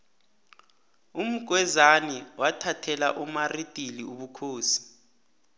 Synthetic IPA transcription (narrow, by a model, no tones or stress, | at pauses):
um̩ɡ̥ʱwɛzaniwatʰatʰɛla̰ʔumaritʼiliuɓukʰoːsi̥